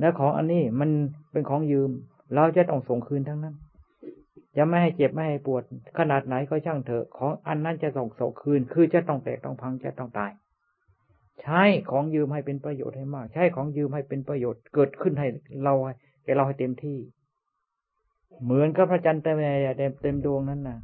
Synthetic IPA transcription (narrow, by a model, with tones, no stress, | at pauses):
lɛː˧˥wkʰɔː˩˦ŋʔa̰˧nːiː˥˩ma˧˨npe˧nkʰɔː˩˦ŋjɯː˧m | ɾa˧wt͡ɕa˨˧˩t̪ɔ˧˥˩ŋso˨˩ŋkʰɯː˧nt̪ʰaː˧˥ŋna˦˥˨n | t͡ɕa˨˧˩ma˧˥˩jɦa˧˩jt͡ɕe˨˩p̚ma˥˩jha˧˩jpu˨˩ət̪̚kʰa˧naː˨˩t̪̚na˨˦jkɔ˧˩t͡ɕʰa˧˥˩ŋt̪ʰɤ˧˩kʰɔː˨˦ŋʔa˧nːa˦˥˨nt͡ɕa˧˩˨so˨˩ŋso̰˨˩˦ŋkʰɯː˧nkʰɯː˧t͡ɕa˧˩t̪ɔ˧˥˩ŋt̪ɛ̰ː˨˩k̚t̪ɔ˧˩ŋpʰa˧˥ŋt͡ɕa̰˨˧˩t̪ɔ˧˩ŋt̪aː˨˩j | t͡ɕʰa˥˩jkʰɔː˩˦ŋjɯː˧mha˧˩jpe˧npɾa˧jo̰ː˨˩t̪̚ha˧˩jmaː˥˩k̚t͡ɕʰa˥˩jkʰɔː˩˦ŋjɯː˧mha˧˩jpe˧npɾa˧joː˨˩t̪̚kɤː˨˩t̪̚kʰɯ˥˩nɦa˧˩jɾa˧wha˧˩j | kɛː˨˩ɾa˧wha˨˩jt̪e˧mt̪ʰiː˧˥˩ | mɯ˩˦ənka˧˩pʰɾa˧˩t͡ɕa˧nt̪ɛː˧˩mɛː˧˩˨jaː˨˩t̪ɛ˧˩t̪e˧mdu˧əŋna˧˥˨nːa˧˩